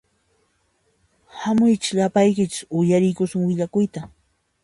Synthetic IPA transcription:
hamʊjt͡ʃɪ̥ʎapajkɪt͡ʃɪ̥sʊjaɾɪjkʊsʊŋwɪʎakʊjt̪a

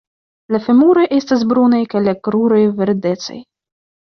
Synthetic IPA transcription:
lafemuɾo̞jʔe̞stas̬bɾunajkajlakɾuɾo̞jveɾde̞t̪t͡sa̰j

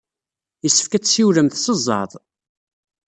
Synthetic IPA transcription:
jəsːə̥fkæt͡sːsiwləmθsəzˤːɑ̰ɾðˤ

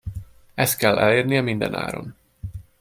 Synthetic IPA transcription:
ɛst̪̚kɛlːʔɛ̰leːrnijɛmind̪ɛ̰na̰ːɾo̞̰n

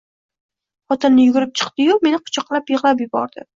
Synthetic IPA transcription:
χɒt̪ʰɪnːɪjʊɡʲʊɾɪp̚t͡ʃʰɨ̥qt̪ɪjome̞nɪqʰʊ̥t͡ʃʰɒqlˠapjɨʁlˠapjʊbɒ̰ɾd̪ɪ

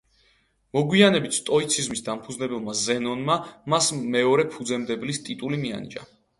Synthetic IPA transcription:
mɔɡwianɛbit̪ʰt̪ʼɔit̪sʰizmisd̪ampʰudznɛbɛlˠmazɛnɔnmamasmɛɔɾɛpʰud̪zɛmd̪ɛblist̪ʼit̪ʼulimia̰nḭd͡ʒʼa̰

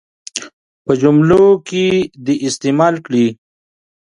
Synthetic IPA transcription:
pəd͡ʒumlokid̪iʔɪst̪emaːlkɽi

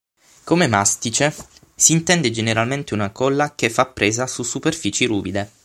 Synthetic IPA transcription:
komemast̪it͡ʃe | siːnt̪ɛnd̪ed͡ʒeneɾalment̪eunakɔlːak̟efːapːɾeːzasusːuperfiːt͡ʃiɾuːbid̪e

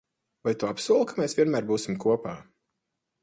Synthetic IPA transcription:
vajt̪uapsuɔlˠkamɛːsviɛnmæːɾbuːsʲimkuɔpaː

